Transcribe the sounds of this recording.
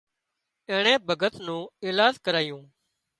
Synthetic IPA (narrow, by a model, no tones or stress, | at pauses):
ẽːɳ̃ẽːbʱəɡət̪nũːɪːlaːzkəɾaːjũː